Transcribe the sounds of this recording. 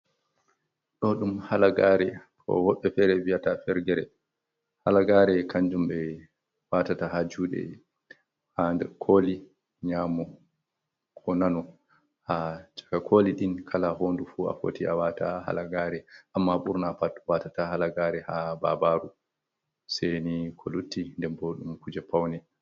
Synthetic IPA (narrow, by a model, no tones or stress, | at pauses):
ɗɔɗumhalaɡaɾɛkʰɔ̰wɔɓːɛfɛɾɛvijatafɛɾɡɛɾɛ | halaɡaːɾɛkaɲd͡ʒumɓɛ | watatahad͡ʒuːɗɛ̰ | hadɛkʰoːli | ɲamɔ | kʰɔnanɔ | hat͡ʃḁkakʰoliɗinkʰalaɦondufua̰fo̰tiawataha̰laɡaːɾɛʔamːaɓuɾnapatwatatahalaɡaɾɛhaba̰baɾu | senikʰɔlutːindɛmbɔɗumkud͡ʒɛpawnɛ